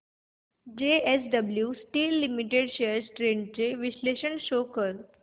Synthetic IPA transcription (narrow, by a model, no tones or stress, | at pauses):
d͡ʑeesɖəbljusʈiːlːimiʈeɖʃeəɾsʈɾeɳɖt͡ɕeʋisleɕənʃoːkəɾ